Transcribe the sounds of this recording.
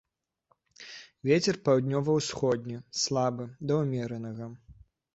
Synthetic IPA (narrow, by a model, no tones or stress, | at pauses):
vʲet͡sʲɛrpawd̪ʲnʲɔvɐwsxɔd̪ʲnʲislˠabɨd̪ɐwmʲɛɾɐnɐɣɐ